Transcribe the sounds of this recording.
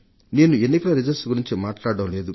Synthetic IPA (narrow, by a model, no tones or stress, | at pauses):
ne̞ːnuenːikɐlɐɾid͡ʒɐɾsɡuɾiɲt͡ʃimaːʈlaːɽɐmle̞ːd̪u